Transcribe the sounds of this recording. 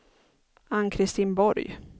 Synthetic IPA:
ankʰɾɪst̪iːnbɔɾj

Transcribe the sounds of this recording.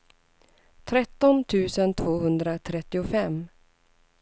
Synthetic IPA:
t̪ʰɾɛt̪ːɔnt̪ʰʉ̟ːsənt̪ʰv̥oːɦɵnd̪ɾat̪ʰɾɛt̪ːɪʊfɛmː

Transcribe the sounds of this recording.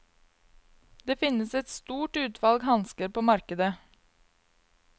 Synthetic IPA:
d̪̥eːfɪnəsɛt̪st̪uːʈʉːt̪ʰʋɑlɡhɑnskəɾpoːmɑɾkəd̪ə

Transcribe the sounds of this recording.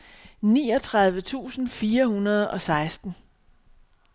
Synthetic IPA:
nḭːɒ̽t͡sʰʁɑ̈ð̞ˠʋət͡sʰṵːsn̩fiːɐhunɐð̞ˠɒ̽sɑ̈ɪsd̥n̩

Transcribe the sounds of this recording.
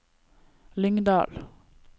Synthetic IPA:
lʏŋd̪ɑ̰ːl

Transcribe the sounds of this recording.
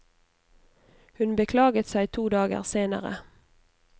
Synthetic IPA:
hʉnbəkʰlɑːɡət̪sæɪt̪ʰuːd̪ɑːɡə̰ʁseːnə̰ʁə̰

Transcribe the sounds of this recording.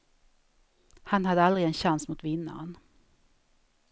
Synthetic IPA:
hanhad̪əald̪ʁɪɛnɕansmʊt̪vɪnːa̰ɾən

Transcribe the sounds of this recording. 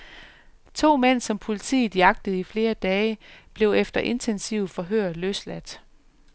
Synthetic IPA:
t͡sʰo̝̰ːmen̰sɒ̽mpʰo̝lit͡sʰḭ̥ːjɑ̈ɡ̥̚d̥əð̩ˠifle̝ːɐd̥ɛːɪəb̥le̝ʊefd̥ɐʔe̝nt͡sʰensiʊfɒ̽ɦøɐ̰løslæd̥

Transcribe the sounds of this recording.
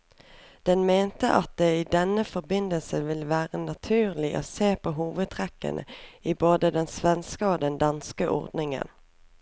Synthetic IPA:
d̪̥ɛnmeːnt̪əʔɑt̪̚d̪eːiːd̪ɛnəfɔʁbɪnd̪əlsəʋɪlʋæːʁənɑt̪ʰʉːʁlɪʔo̰ːseːpʰoːɦuːʋəd̪̚t̪ʰʁɛkːə̰nʔə̰iːboːd̪əd̪ɛnsʋɛnskəoːd̪ɛnd̪ɑnskəʔɔ̰ʁd̪nɪŋə̰n

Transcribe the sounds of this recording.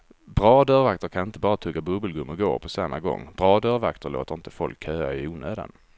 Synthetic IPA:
bɾɑːd̪œːɾvak̚t̪əɾkʰanɪnt̪əbɑːɾat̪ʰɵɡːabɵbəlɡɵmːəɡo̰ːpʰɔsamːaɡɔ̰ŋːb̥ɾɑːd̪œːɾvakt̪əɾɭo̰ːt̪əɾɪnt̪əfɔlkʰːøːaɪuːnøːd̪a̰n

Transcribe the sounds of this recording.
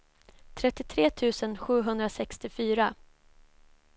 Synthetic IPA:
t̪ʰɾɛt̪ːɪt̪ʰɾeːt̪ʰʉ̟ːsənɧʉ̟ːɦɵnd̪ɾasɛkst̪ɪfyːɾa

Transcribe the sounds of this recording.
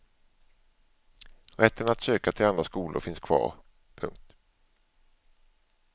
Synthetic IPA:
ɾɛt̪ːənat̪søːkat̪ʰɪland̪ɾaskuːlʊ̰ɾfɪnskʰv̥ɑ̰ːɾ | pʰɵ̰ŋk̚t̪

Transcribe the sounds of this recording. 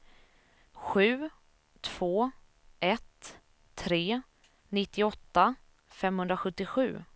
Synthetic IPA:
ɧʉ̟ː | t̪ʰv̥oː | ʔɛt̪ʰː | ɾeː | nɪt̪ːɪɔt̪ːa | fɛmhɵnd̪ɾaɧɵt̪ːɪɧʉ̟̰ː

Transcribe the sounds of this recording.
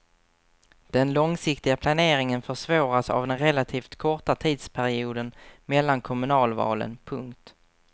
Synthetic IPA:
d̪̥ɛnlɔŋsɪkt̪ɪɡapʰlaneːɾɪŋənfœʂvoːɾasa̰vd̪ɛnɾɛlːat̪ʰiːft̪kʰɔʈat̪ʰiːd̪spʰæɾɪuːd̪ənmɛlːankʰɔmɵnɑːlvɑ̰ːlə̰npʰɵŋkt̪

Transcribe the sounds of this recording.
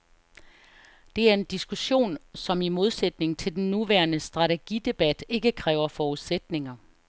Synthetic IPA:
d̥e̝æɐe̝nd̥isɡ̥uɕo̝̰ːnsɒ̽mimo̝ð̞ˠsed̥ne̝ŋt͡sʰe̝ld̥enːuʋæːɐnəsd̥ʁɑ̈t͡sʰe̝ɡ̥id̥e̝b̥æd̥e̝ɡ̥əkʰʁɛːʊɐfɒːuðˠsed̥ne̝ŋɐ

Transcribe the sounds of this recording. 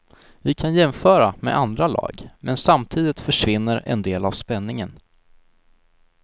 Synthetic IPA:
vɪkʰanjɛmfœːɾamɛ̰ʔand̪ɾalɑ̰ːɡmɛnsamt̪ʰiːd̪ɪt̪fœʂvɪnːəɾɛ̰nd̪eːlavspɛnːɪŋən

